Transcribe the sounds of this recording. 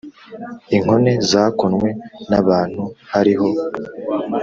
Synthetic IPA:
iŋ̥ho̞ne̞zaːkonŋwe̞naβaːn̥huhaɾiɦo̞

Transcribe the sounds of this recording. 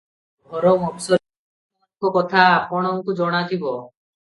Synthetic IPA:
bʱɔɾɔŋɔbsɔ | kɔkɔt̪ʰaːpɔɽ̃ɔŋkud͡ʒɔɽ̃ad͡ʒ̪ibɔ

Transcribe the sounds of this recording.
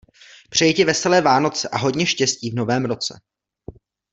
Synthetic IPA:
pr̝̥ɛjɛcɛvɛsɛlɛːvaːno̞t͡sɛʔaɦo̞ɟɲɛʃcɛsciːvno̞vɛːmɾo̞t͡sɛ̰

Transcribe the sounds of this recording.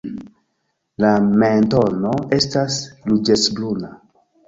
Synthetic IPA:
lamento̞no̞e̞staslud͡ʒesbluna

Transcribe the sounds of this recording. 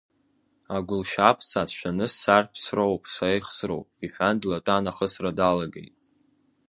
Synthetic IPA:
aɡʷʊlʃapʰsat͡sʷʰʃᶣanɨsarpʰsrowpʰʼsaejχsro̰wpʼiħʷᶣandlatʼanaχəsradalaɡḛjtʼ

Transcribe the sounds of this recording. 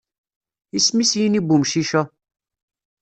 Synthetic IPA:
ismisjinibumʃiʃæ

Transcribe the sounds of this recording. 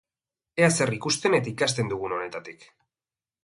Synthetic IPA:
e̞ase̞rikust̪e̞ne̞t̪aikast̪e̞nd̪uɣ̞uno̞ne̞t̪at̪ik

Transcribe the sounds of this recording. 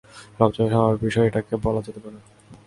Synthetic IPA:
ɾɔbt͡ɕonʃɔmabibiʃɔeʈakebɔlad͡ʑet̪epaɾe

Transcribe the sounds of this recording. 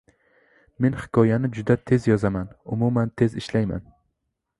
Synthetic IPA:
me̞nhɪ̥kʰɒjanɪd͡ʒʊd̪at̪ʰe̞zjɒzamanʊmumant̪ʰe̞zɪʃlajma̰n

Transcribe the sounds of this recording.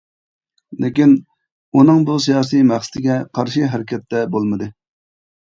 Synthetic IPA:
lɪkʲin | unɨŋbus̬ijɑːsijmæχsɨ̥t̪ʰɪɡʲɛqʰɑɾʃiɦɛɾɪkʲʰɛt̪ʰːɛbolˠmɨd̪ɨ

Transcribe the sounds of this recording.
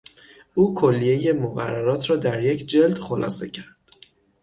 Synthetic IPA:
uːkʰolːije̞je̞moɣæ̰rːæɾɒːt̪ʰɾɒːd̪æɾje̞cʰd͡ʒe̞ld̪xolʔɒ̰ːse̞̰cʰæɾd̪̥

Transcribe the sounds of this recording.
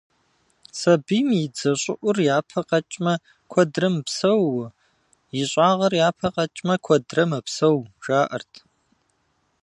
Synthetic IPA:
sɐbiːmjid͡zɐɕʷʼʊʔʷʊrjaːpʰɐqɐt͡ʃʼmɐ | kʷʰɔdrɐmpsɐwʊ | jɪɕʷʼaːʁɐrjaːpʰɐqʼɐt͡ʃʼmɐkʷʰɔdrɐmɐpsɐwʒ̥aːʔɐ̰rtʰ

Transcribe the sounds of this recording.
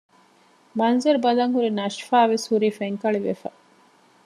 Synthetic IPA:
mɐnzɐɾubɐlɐŋhuɾinɐʃfaːʋeshuɾiːfeŋkɐɭiʋefɐ̰

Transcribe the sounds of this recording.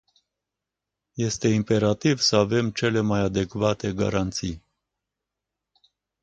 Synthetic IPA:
jɛst̪ʰɛimpɛɾɑt̪ivsɑvɛmt͡ʃʰɛlɛmɑjɑd̪ɛkvɑt̪ɛɡɑ̰ɾɑnt͡sʰi

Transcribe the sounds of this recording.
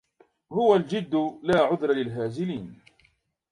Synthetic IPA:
hʊwald͡ʒɪd̪ːʊlaːʕʊðɾˤɑlɪlɦaːzɪliːn

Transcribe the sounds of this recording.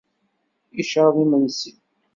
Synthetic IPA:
iʃðˤimənsi

